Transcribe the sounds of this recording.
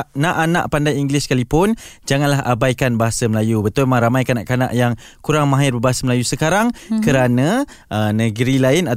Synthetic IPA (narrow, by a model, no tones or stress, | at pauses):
ʔnãʔana̰ʔpandajiŋɡliskalipʊnd͡ʒaŋanlaɦʔa̰bajkanbaɦasaməlajubət̪ʊlmaŋɾamajkanãʔkana̰ʔjaŋkuɾaŋmãɦɪrbəbaɦasəməlajusəkaɾaŋkəɾanə | ʔənə̃ɡəɾilaɪna